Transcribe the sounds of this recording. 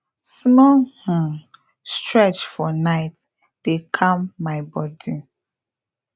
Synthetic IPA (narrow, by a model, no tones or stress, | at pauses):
smɔh̩ | stɹɛt͡ʃfɔnaɪt | d̥ekʰãmːaɪbɔdi